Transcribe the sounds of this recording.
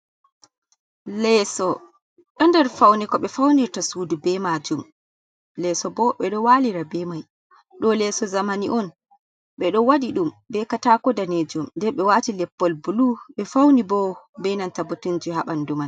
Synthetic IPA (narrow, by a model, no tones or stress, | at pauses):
lɛsɔ | ɗɔndɛɾfawnɛkɔɓɛfawniɾtasuːdubɛmad͡ʒum | lɛsɔbɔɓɛɗɔwaːliɾabɛmaj | ɗɔlɛsɔzamaniʔɔn | ɓɛɗɔwadiɗumbɛkataːkɔdaned͡ʒumndɛɓɛwatilɛpːɔlbuluɓɛfawnibɔ | bɛnantabutund͡ʒihaɓanduman